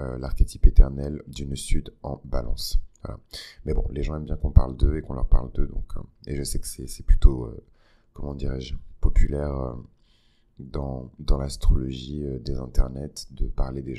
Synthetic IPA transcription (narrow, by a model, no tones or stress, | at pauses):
ølaʁkʲet̪ʰi̥pet̪ɛʁnɛld̪ynsyd̪ɑ̃balɑ̰̃svwa̰la̰mɛbɔ̰̃leʒɑ̃ɛmbjɛ̃kɔ̃pa̰ʁld̪əekɔ̃lœ̰ʁpa̰ʁld̪əd̪ɔ̰̃kʰeʒəsɛkə̥sɛsɛply̥t̪oø̰ | kɔmɑ̃d̪iʁɛʒpɔpʰylɛʁø̰ | d̪ɑ̃d̪ɑ̃last̪χɔlɔʒiød̪ezɛ̃t̪ɛʁnɛt̪d̪əpaʁled̪eʒ̃